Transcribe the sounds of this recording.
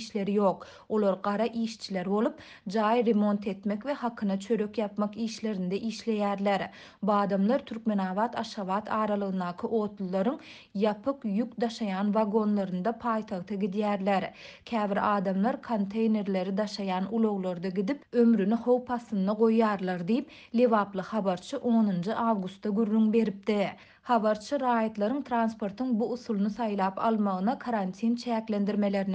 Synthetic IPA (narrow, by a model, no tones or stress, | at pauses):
ʃle̞ɾijoːq | o̞lˠoɾɢɑɾɑʔiːʃt͡ʃʰile̞ɾbo̞lˠup̚ | d͡ʒɑːjɾemo̞nt̪ʰe̞t̪mekve̞hɑqʰɯnɑt͡ʃʰø̞ɾø̞kjɑpmɑqiːʃle̞ɾind̪eʔiːʃle̞jæːɾleɾ | buɑːd̪ɑmlˠɑɾt̪ʰyɾkme̞nɑːβɑːt̪ɑʃχɑβɑːt̪ʰɑːɾɑlˠɯɣɯnd̪ɑːqʰɯʔo̞ːt̪lˠulˠɑɾɯŋ | jɑpʰɯqjukd̪ɑʃɑjɑːnvɑɡo̞nlˠɑɾɯnd̪ɑpʰɑːjt̪ʰɑʁt̪ʰɑɡʲid̪jæːɾleɾkʲʰæːviɾɑːd̪ɑmlˠɑɾkʰont̪ʰe̞jne̞ɾle̞ɾid̪ɑʃɑjɑːnulˠo̞ʁlˠoɾd̪ɑɡʲid̪ipømɾyniho̞wpʰɑθːɯnd̪ɑʁo̞jːɑːɾlˠɑɾd̪ijip | lʲe̞vɑːplˠɯxɑβɑɾt͡ʃʰɯʔo̞ːnɯnd͡ʒɯʔɑːvɡust̪ːɑɡyrːyŋbe̞ɾip̚d̪i | hɑβɑɾt͡ʃʰɯɾɑːjɑt̪lˠɑɾɯŋt̪ʰɾaːnspo̞ɾt̪ʰɯŋbuuθulˠnɯθɑjlˠɑːpɑ̰lˠmɑʁɯnɑkʰaɾant̪ʰint͡ʃʰæːkle̞nd̪iɾme̞le̞ɾn